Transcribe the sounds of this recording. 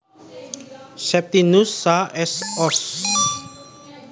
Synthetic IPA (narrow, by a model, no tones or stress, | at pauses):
sɛp̚t̪inusaʔɛsɔs